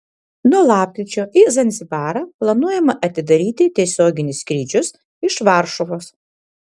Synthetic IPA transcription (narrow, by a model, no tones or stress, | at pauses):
nuɔlˠɑːp̚ʲkʲɾʲɪt͡ʃʲoːʔizɐnʲzʲɪbɑːɾɐplˠɐnuɔjɛmɐʔɐt̪ʲɪd̪ɐɾʲiːt̪ʲɪt̪ʲiɛsʲoːɡʲɪnʲɪskɾʲiːd͡ʒʲʊs | ɪʃʋɑɾʃɔʋoːs